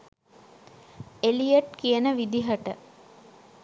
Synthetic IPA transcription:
elijəʈkiənəʋid̪iɦəʈə

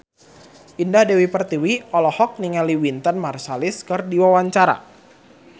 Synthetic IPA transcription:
ʔindahdɛwipərt̪iwiɔlɔhɔk̚niŋaliwint̪ənmarsalɪskɨrdiwawaɲt͡ʃaɾa̰

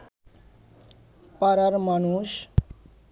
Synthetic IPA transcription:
pʌɾʌɾmʌnus

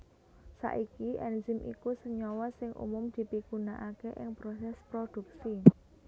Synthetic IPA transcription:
sa̰ʔikiʔɛnzɪmʔḭkusəɲɔwɔsɪŋʔṵmʊmd̪̥i̤piɡunaʔakeʔɪŋpɾosɛspɾod̪̥ṳksi

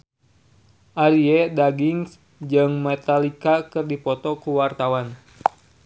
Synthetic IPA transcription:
ʔaɾiɛdaɡiŋs | d͡ʒɨŋmɛt̪alikakɨrdipɔt̪ɔkuwart̪awan

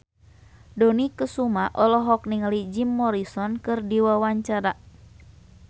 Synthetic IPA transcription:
dɔnikəsumaʔɔlɔɦɔk̚niŋlid͡ʒimːɔɾisɔnkɨrdiwawaɲt͡ʃaɾa

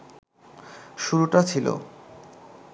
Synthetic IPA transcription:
ʃuɾuʈat͡ɕʰilo̰

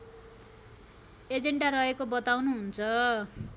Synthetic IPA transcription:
ed͡zeɳɖaɾʌɦekobʌt̪awnuɦunt͡sʰʌ

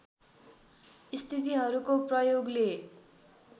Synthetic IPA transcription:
ist̪ʰit̪iɦʌɾukoprʌjoɡle

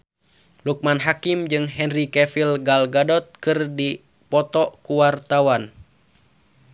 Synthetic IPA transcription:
luk̚manɦakimd͡ʒɨŋɦɛnrikɛfilɡalɡadɔt̪̚kɨrdi | pɔt̪ɔkuwart̪awan

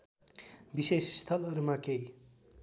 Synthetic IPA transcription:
bisesst̪ʰʌloɾumakej

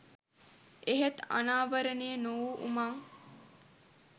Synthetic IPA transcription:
eɦet̪a̰naːʋəɾənejənowʔṵmaŋ

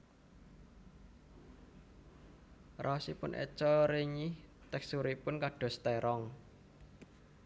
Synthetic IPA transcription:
rʔasipʊnʔḛt͡ʃɔɾeɲiht̪ɛksuɾipʊnkaɖ̥ɔ̤st̪ɛɾʔɔŋ

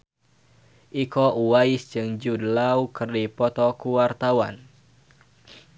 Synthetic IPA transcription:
ʔikɔʔuwaisd͡ʒɨŋd͡ʒudlaukɨrdipɔt̪ɔkuwart̪awa̰n

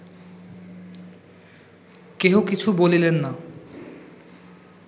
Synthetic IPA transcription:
keokit͡ɕʰubolilenːa

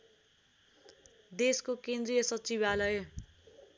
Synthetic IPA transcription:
d̪eskokend̪rijʌsʌt͡sibalʌj

